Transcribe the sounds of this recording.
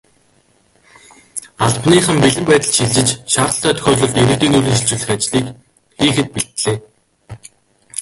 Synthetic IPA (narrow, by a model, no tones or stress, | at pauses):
aɮpniːχə̆mpiɮɘ̆mpæːt̪ə̆ɮʃiɮt͡ɕɪ̆t͡ɕʃaːrt̪ə̆ɬt̪æːt̪ʰɵ̥xʲɔːɮɞ̆ɮt̪eɾɘ̆t̪iːnuɮĭŋsɬt͡ɕŭɮɘ̆xat͡ɕɮiːk | xiːxɘ̆t̪̚piɬt̪ɮeː